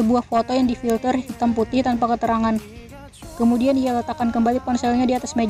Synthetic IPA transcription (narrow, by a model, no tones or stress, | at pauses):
əbuahfot̪ojaŋdifilt̪ərhit̪amput̪ɪht̪anpakət̪əɾaŋan | kəmudianialət̪akankəmbalikɔnsɛlɲadiat̪asme